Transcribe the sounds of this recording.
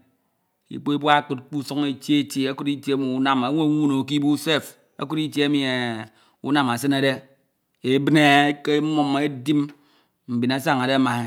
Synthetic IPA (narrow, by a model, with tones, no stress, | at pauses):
ḭ˨k͡po˦i˦bwa˦kɨ˨t̚k͡pu˦so˦ŋe˨t͡ʃje˦te˦a˦ku˦ti˦tje˦mi˨u˦na˨ma˨˦ŋʷe˦ŋʷu˦no˨ki˦bu˦se˦f | a̰˦ku˦ɾi˦tje˦a˦mi˨e˨ | ṵ˦na˨ma˨sɨ˦na˨de˦ | e˨bne˨˦ke˦mo˨me˦di˦m | m̩˨bi˨na˦sa˦˨ŋa˨de˦a˦ma˨e˦